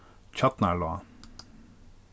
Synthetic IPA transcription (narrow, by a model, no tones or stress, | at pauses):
t͡ɕʰɔt̪nalɔ